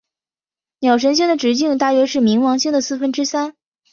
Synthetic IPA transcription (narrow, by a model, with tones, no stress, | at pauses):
njɑ˨˩ʊʂ̬ə˧˥nɕ̬i˥ŋd̪ə˨ʈ͡ʂɻ̩˧˥t͡ɕi˥˧ŋt̪a˥˩ɥɛ˧˥ʂɻ̩˥˩mi˧˥ŋwɑ˧˥ŋɕi˥ŋd̪ə˨˩sɹ̩˥˧fə˥nʈ͡ʂɻ̩˥sa˥n